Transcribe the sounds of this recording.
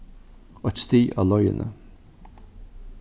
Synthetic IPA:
ɔt̪st̪iːʔɑ̰ːlɔʏə̰nʔə̰

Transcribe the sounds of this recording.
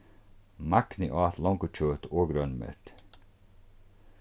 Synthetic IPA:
maknɪʔɔːaθlɔŋkət͡ʃʰøːt̪ɔːɡɾœnmɛ̰t̪

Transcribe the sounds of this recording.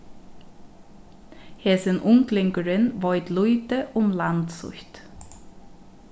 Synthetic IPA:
heːsənʔʊŋklɪŋkəɹənʋɔʏt̪luʏt̪əʔʊmlɑnd̪sʊ̰çt̪

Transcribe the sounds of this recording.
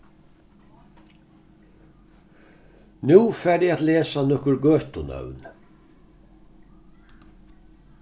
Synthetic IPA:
nʉːfæːɖjɛat̪leːsanɔkəɾɡøːt̪ʊnœ̰ʋn

